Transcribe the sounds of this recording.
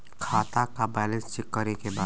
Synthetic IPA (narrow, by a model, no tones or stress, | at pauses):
kʰaːt̪akabɛːlə̃nssɪkːəɾekebaːd̪